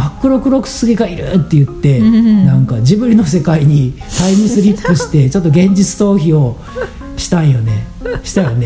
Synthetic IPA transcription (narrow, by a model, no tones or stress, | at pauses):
hakːɯ̟ɾo̞kɯ̟ɾo̞kɯ̟̥sɨɡʲiɡaiɾɯ̰t̪ːe̞jɯ̟t̪ːe̞nãŋkad͡ʑibɯ̟̃inːo̞se̞kaiɲ̟i | t̪aiɲĩsɨɾʲipːɯ̟ɕi̥t̪e̞t͡ɕo̞t̪ːo̞ɡẽ̞ɲ̟d͡ʑit͡sɨ̥t̪o̞ːçio̞ | ɕi̥t̪ãĩjo̞ne̞ | ɕi̥t̪ajone